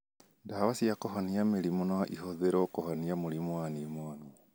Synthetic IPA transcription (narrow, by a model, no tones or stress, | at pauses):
ndaβasiakoɦaniameɾimonaʔiɦoðeɾɔkohaniamoɾimwanimwani